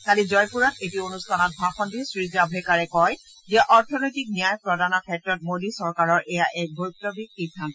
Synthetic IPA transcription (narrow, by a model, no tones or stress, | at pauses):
kalizɔjpuɹatetionustʰanɔt̚bʱaxɔndisɹizabʱɛkaɹɛkɔj | diaʔɔɹtʰɔnojtik̚nijajpɹɔdʱanɔkʰɛtɹɔt̚modisɔɹkaɹɔɹʔɛjaʔɛk̚bojtːɔbʱikːitʰːan